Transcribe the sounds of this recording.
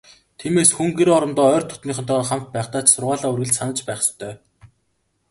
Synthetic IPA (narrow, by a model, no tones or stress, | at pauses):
t̪ʰiːmeːsxuŋɡeɾɔɾɞ̆nt̪ɔːœːrt̪ʰːʊ̥t̪niːχə̆nt̪ʰɔχam̥t̪̚pæːχt̪aːt͡ɕsʊrʁaːɮaːurɣɘ̆ɮt͡ɕsanə̆t͡ɕpæːχst̪ʰœː